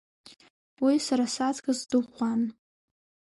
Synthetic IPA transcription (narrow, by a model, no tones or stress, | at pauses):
wisaɾasat͡skazdɨχʷan